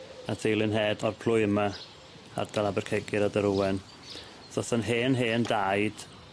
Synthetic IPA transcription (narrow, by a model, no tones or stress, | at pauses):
atʰejlˠɪnɦɛːdɔrpʰl̥ˠʊjəma | a̰rd̥alˠabɛrkʰeɡɪɾadəɾuwɛn | sɔθənɦeːnɦeːndajd̥